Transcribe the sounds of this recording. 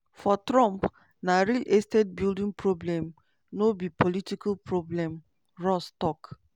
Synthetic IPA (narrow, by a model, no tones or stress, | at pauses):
fɔtɾɔ̃mp | naɾilʔestɛt̚bildĩŋpɾoblɛ̃m | nobipolitikalpɹoblɛ̃m | ɹɔstɔk